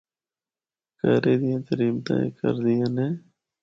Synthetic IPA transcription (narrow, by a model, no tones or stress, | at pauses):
kəːɾeːd̪ɪjãːt̪əɾiːmt̪ã̰ːḛːkə̰ɾd̪ɪjãːneː